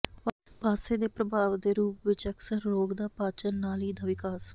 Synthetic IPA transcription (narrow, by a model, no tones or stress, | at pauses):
ʋ | paːseːd̪eːpɾəbʱaːʋd̪eːɾuːpʋɪt͡ʃəksəɾːoːɡd̪aːpaːt͡ʃənnaːliːd̪aːʋɪkaːs